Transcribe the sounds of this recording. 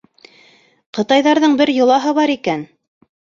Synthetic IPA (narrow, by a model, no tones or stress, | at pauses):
qɤ̆t̪ɑjðɑɾðɤɴbɘɾjŏlˠɑɦɤβɑɾikæn